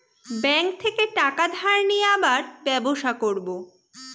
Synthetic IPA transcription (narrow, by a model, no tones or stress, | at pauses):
bɛŋk̚t̪ʰekeʈakad̪ʱaɾnieabaɾbɛboʃakoɾbo